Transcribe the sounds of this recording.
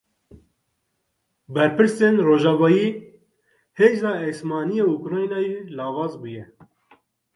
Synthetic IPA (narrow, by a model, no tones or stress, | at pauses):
bɛɾpɨɾseːnroːʒɑːvɑːjiː | heːzɑːɛsmɑːnijeːukɾɑːjnɑːjelɑːvɑːzbuːjɛ